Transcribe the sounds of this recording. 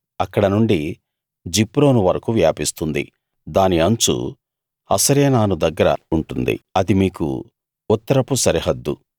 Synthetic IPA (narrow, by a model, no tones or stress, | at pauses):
ɐkːɐɽɐnuɳɖi | d͡ʒipːɾo̞ːnuʋɐɾɐkuʋjaːpist̪und̪ḭ | d̪aːniɐɲt͡ʃṵ | ɐ̰sɐɾeːnaːnud̪ɐɡːɐɾɐ̰uɳʈund̪ḭɐd̪imiːkṵ | ut̪ːɐɾɐpusɐɾiɦɐd̪ːṵ